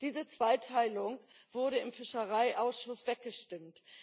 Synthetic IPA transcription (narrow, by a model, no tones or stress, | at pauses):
d̥iːzət͡sv̥aɪtʰaɪlʊŋv̥ʊɐɾəɪmfɪʃəʁaɪʔaʊsʃʊsv̥ɛk̚ɡ̥əʃtɪmt